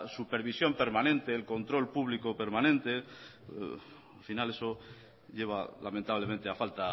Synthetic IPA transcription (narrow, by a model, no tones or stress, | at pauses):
supeɾβisjo̞mpe̞ɾmanẽ̞nt̪eːlko̞nt̪ɾo̞lpuβlikope̞ɾmãnẽnt̪e̞̰ | alfinale̞so̞ | ʎe̞β̞a̰lamẽnt̪aβle̞mẽnt̪eafalt̪a